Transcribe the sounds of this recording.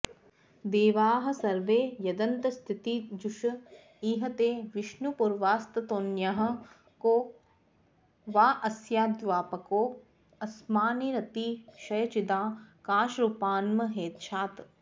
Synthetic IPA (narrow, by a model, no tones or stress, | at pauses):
d̪eːʋaːɦɐ̆sɐɾʋeːjɐd̪ɐnt̪ɐst̪ʰit̪id͡ʒuʃɐ | iːɦɐt̪eːʋɪʃnupuɾʋaːst̪ɐt̪oːnjɐɦɐ̆ | koː | ʋaːʔɐsjaːd̪ʋaːpɐkoː | ɐsmaːniɾɐt̪iːʃɐjɐt͡ʃid̪aːkaːʃɾupaːnmɐɦeːt̪ʃʰaːt̪